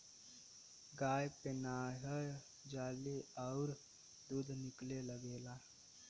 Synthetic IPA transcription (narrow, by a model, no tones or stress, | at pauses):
ɡaːjpenaːɦə | d͡ʒaːleəʊɾ | d̪ud̪ʱnɪkleləɡeːla